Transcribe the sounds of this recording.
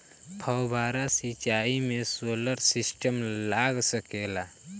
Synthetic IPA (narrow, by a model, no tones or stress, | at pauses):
pʰəwbʱaːɾasit͡ʃaːimesoləɾsisʈəmlaɡsəkeːla